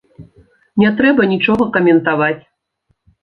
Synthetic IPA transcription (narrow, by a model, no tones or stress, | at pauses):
nʲɛt̪ɾɛbɐnʲit͡ʂɔɣɐkɐmʲɛnt̪avat͡sʲ